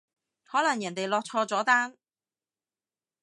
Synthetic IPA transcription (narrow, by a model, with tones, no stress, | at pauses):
hɔː˨˥lɐ˨˩ŋjɐ˨˩nt̪e˨jlɔː˧k̚t͡ʃʰɔː˧t͡sɔː˨˥t̪aː˥n